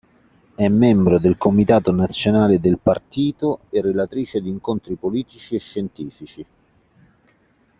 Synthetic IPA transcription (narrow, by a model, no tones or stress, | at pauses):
ɛmːɛmbɾod̪elkomit̪aːt̪onat̪sːjonaːled̪elpart̪iːt̪oerːelat̪ɾiːt͡ʃed̪iŋkont̪ɾipoliːt̪it͡ʃieʃːent̪iːfit͡ʃi